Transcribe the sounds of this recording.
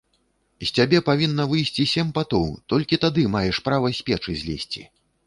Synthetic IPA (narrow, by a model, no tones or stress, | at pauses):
sʲt͡sʲabʲɛpavʲinːɐvɨjsʲt͡sʲisʲɛmʲpat̪ɔwt̪ɔlʲkʲit̪ad̪ɨmajɛʂpɾavɐsʲpʲɛt͡ʂɨzʲlʲɛsʲt͡sʲḭ